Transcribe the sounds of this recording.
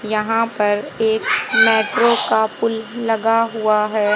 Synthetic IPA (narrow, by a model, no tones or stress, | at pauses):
jɐɦãpɐɾeːkmeːʈɾokapʊlːɐɡaɦʊaɦɛː